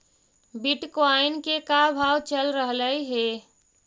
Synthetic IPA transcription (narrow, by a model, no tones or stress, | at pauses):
biʈkoaɪnkekabʱaːwt͡ʃəlɾəɦləiɦe